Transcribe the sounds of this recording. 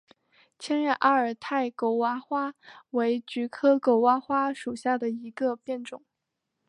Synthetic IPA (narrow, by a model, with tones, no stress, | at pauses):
t͡ɕʰjɛ˥nɻɛ˥˩nʔa˥ə˞˨˩t̪ʰa˥˩ɪko˧˥ʊwa˧˥xwa˥we˧˥ɪt͡ɕy˧˥kʰɤ˥ko˧˥ʊwa˧˥xwa˥ʂu˨˩ɕja˥˩d̪ə˩i˧˥ɡə˧pjɛ˥˩nʈ͡ʂʊ˨˩˦ŋ